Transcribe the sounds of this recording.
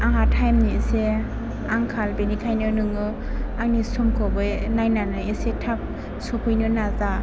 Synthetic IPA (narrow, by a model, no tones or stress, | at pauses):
aŋatʰajmnise | aŋkʰalbenikʰajnɯnɯŋɯ | aŋnisumkʰɔbɯjnajnanɯjesetʰap̚ | sɔpʰɯjnɯnaza